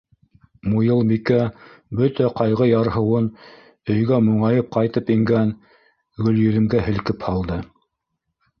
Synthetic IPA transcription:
mujɤlˠmikæbɵt̪æqɑjʁɤjɑɾɦɤ̆wɤn | ɵ̆jɡæmuɴɑjɤp̚qɑjt̪ɤpiŋɡæn | ɡɵ̆ljɵ̆ðɘ̆mɡæɦɘ̆lkɘphɑlˠd̪ɤ

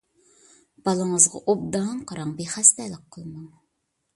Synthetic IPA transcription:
b̥ɑlˠəŋəzʁɑ̰ʔob̚d̪ɑŋqʰɑɾɑŋbeχæst̪ɛlɪkqʰːəlˠmɑŋ

